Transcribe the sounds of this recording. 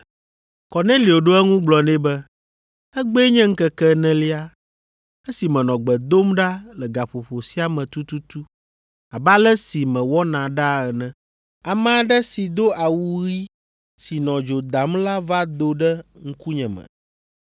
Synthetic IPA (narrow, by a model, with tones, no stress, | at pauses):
kɔ˨nɛ̃˦li˨o˨ɖo˦ɛ˦ŋũ˦ɡ͡blɔ˨nɛ̃˦bɛ˦ | ɛ˦ɡ͡be˦ɲɛ̃˦ŋ̩˦kɛ˦kɛ˦nɛ̃˦li˦a˦ | ɛ˦si˨mɛ̃˨nɔ̃˨ɡ͡bɛ˨d̪o˦mɖa˦lɛ˨ɡa˨ɸo˨ɸo˨si˦a˨mɛ̃˨t̪u˦t̪u˦t̪u˦ | a˨ba˦lɛ˦si˨mɛ̃˨wɔ˦nã˨ɖa˦ɛ˨nɛ̃˦ | a˨mɛ̃˦a˨ɖɛ˦si˨d̪o˦ʔa˨wu˦ɣi˦ | si˨nɔ̃˨d͡ʒo˨d̪a˨mla˦va˦d̪o˦ɖɛ˦ŋ̩˦ku˦ɲɛ̃˨mɛ̰̃˨